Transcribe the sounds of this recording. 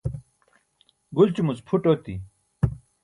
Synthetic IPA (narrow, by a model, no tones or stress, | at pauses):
ɡult͡ɕumut͡spʰuʈot̪ḭ